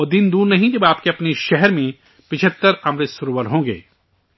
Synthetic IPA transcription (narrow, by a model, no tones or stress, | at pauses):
ɔːd̪ind̪uːɾnɐɦĩd͡ʒɐbaːp̚keɐpneʃɛɦɛɾmẽ | pɪt͡ʃʰət̪ːəɾɐmɾɪt̪sʊɾoːʋəɾɦõːŋɡḛː